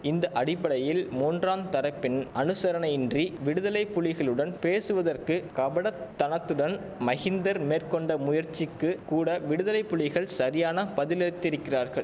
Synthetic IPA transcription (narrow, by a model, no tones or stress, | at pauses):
ɪnd̪ɐʔɐɽɪpːɐɽɐjɪlmuːndraːnt̪ɐɾɐpːɪnɐnɯsɐɾɐɳɐjɪndriʋɪɽɯðɐlɐɪpːʊɭɪɣɐɭɯɽɐnpeːsɯʋɐðɐrkɯkɐʋɐɽɐt̪ːɐnɐt̪ːɯɽɐn | mɐɣɪnd̪ɐɾmeːrkɔɳɖɐmʊjɐɾt͡ʃːɪkːɯkuːɽɐʋɪɽɯðɐlɐɪpːʊɭɪɣɐɭsɐɾɪjaːnɐpɐðɪlɛɽɯt̪ːɪɾɯkːɪraːɾɣɐɭ